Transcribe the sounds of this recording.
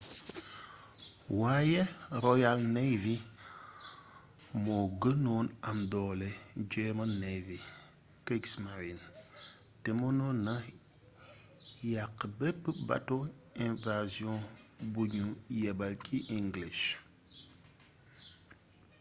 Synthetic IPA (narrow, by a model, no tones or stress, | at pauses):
wajɛɾojalnevi | moɡənonamdɔled͡ʒemənevi | kɾiksmaɾin | temonona | jakːbepːəba̰toĩnvaziɔ̃buɲujɛbalkʰiʔiŋɡliʃ